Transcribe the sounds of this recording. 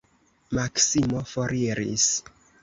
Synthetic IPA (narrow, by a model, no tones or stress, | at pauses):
maksimofoɾiɾḭs